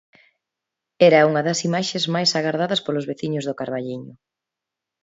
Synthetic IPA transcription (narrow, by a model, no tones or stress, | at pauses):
ɛɾɐuŋɐðɐsimaʃezmajsaɣaɾðaðɐspolʊzβeθiɲʊzðʊkaɾβaʎiɲʊ